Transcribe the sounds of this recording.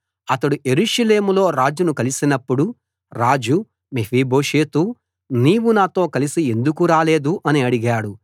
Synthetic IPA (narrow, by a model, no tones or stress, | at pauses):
ɐt̪ɐɽuʔe̞ɾuʂɐle̞ːmulo̞ːɾaːd͡ʒunukɐlisinɐpːuɽu | ɾaːd͡ʒu | meʋiːbo̞ːʂeːt̪u | niːʋunaːt̪o̞ːkɐlisie̞nd̪ukuɾaːle̞ːd̪uʔɐniɐɽiɡaːɽu